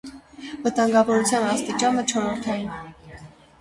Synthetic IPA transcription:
vət̪ɑŋɡɑvɔɾut͡sʰjɑnɑst̪it͡ʃɑnət͡ʃʰɔɾɔɾt̪ʰɑjin

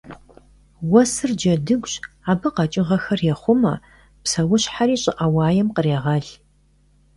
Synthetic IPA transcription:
wɐsɨrd͡ʒɐdɨɡʷɕ | aːbɨqɐt͡ʃʼɪʁɐxɐrjɛχʷʊmɐ̰ | psɐwʊɕħaɾiːɕʼɪʔɐwɑaːjɛmqəreːʁɐɮ

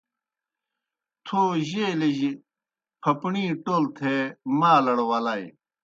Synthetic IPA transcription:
t̪ʰoːʑeːleʑ | pʰɐpɳĩːʈoːlt̪ʰemaːlɐɽowaːlaːj

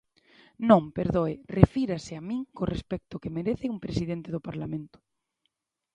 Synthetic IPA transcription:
nõŋpeɾðoerefiɾasɪamĩŋkorespɛk̚t̪ʊkemeɾeθɪuŋpɾesiðent̪eðopaɾlamẽnt̪ʊ̥

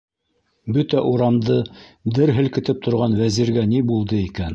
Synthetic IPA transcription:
bɵt̪æʔuɾɑmd̪ɤd̪ɘɾɦɘ̆lkɘ̆t̪ɘp̚t̪ʰŏɾʁɑnwæziɾɡænibulˠd̪ɤikæn

